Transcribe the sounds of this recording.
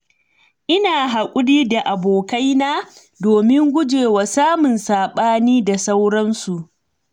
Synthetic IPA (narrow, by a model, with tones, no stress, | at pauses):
ʔɪ˦naː˨ɦa˨kʷʼʊ˦ɽiː˦da˨ʔa˨boː˨ka˦jnaː˦ | doː˨mɪ˦ŋɡʷʊ˦d͡ʒeː˨waː˨saː˦mʊ˨nsaː˨ɓaː˦niː˦da˨sa˦wɽɐ˦nsu˨ʔ